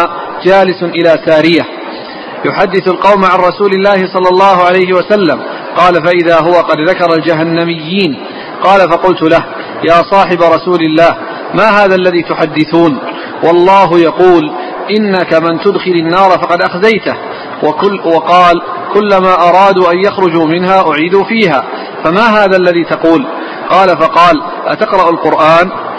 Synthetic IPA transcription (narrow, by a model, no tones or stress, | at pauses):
d͡ʒaːlɪsnʔɪlaːsaːɾɪja | jʊħad̪ːɪθalqɑwmʕanɾˤɑsuːlɪlːaːhɪsˤɑlːɑlˤːɑːhʊʕalajhɪwasalːam | qɑːlafaʔɪðaːɦʊwaqɑd̪ðakɑɾˤɑld͡ʒaɦanːamɪjːiːn | qɑːlafɑqʊlt̪ʊlah | jaːsˤɑːħɪbaɾˤɑsuːlɪlːaːh | maːɦaːðaʔlːaðiːt̪ʊħad̪ːɪθuːn | wɑlˤːɑːɦʊjɑquːl | ʔɪnːakamɪnt̪ʊd̪xɪlɪnːɑːɾˤfɑqɑd̪ʔaxzajt̪ah | wɑqɑːl | kʊlːamaːʔɑɾˤɑːd̪uʔanjaxɾˤʊd͡ʒuːmɪnɦaːʔʊʕiːd̪uːfiːɦaː | famaːɦaːðaːalːaðiːt̪ɑquːl | qɑːlafɑqɑːl | ʔa̰t̪aqɾˤɑʔalqʊɾʔaːn